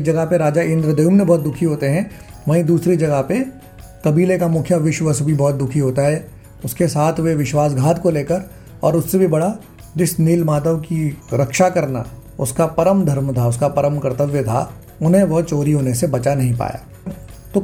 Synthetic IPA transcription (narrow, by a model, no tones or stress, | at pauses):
d͡ʒɐɡapeɾaːd͡ʒaɪ̃nd̪ɾəd̪ɐjumnebɔɦːt̪̚d̪ʊkʰiɦoːt̪eɦɛ̃ | ʋɐĩd̪uːsɾid͡ʒɐɡəɦpe | kɐbiːlekamʊkʰjaʋɪʃʋəsbʱibɔːt̪̚d̪ʊkʰiɦoːt̪aɦɛː | ʊskesaːt̪ʰʋeʋɪʃwaːsɡʱaːt̪koleːkəɾ | ɔ̰ːɾʊsːebʱibɐɽa | d͡ʒɪsniːlmaːt̪əʋkiɾɐkʃakɐɾna̰ʊskapɐɾəmd̪ʱɐɾmt̪ʰaʊskapɐɾəmkɐɾt̪əʋjət̪ʰa̰ | ʊnɦẽʋɐɦt͡ʃoːɾiɦoːnesebɐt͡ʃanɐɦĩpa̰ːja̰ː | t̪oː